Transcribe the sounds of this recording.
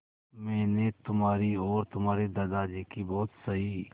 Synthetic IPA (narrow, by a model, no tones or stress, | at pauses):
mɛːnet̪ʊmɦaːɾiɔːɾt̪ʊmɦaːɾed̪ɐd̪aːd͡ʒekibɔːt̪sɐɦi